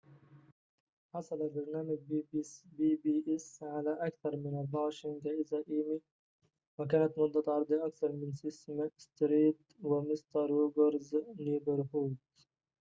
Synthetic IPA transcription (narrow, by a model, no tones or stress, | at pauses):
ħɑsˤɑlabɑɾˤnaːmɪɡ̚bbiːbiːʔɛsʕalaʔakθɑɾˤmɪnalbɑːʃɪŋɡaʔɪzaːʔiːmi | wakaːnat̪mʊd̪ˤːat̪ʕɑɾˤd̪ˤiʔakθɑɾˤmɪnsɪsmast̪ɾiːd̪ | wɪmɪst̪ɑɾˤuːɡɑɾznuːbɪɾhuːt̪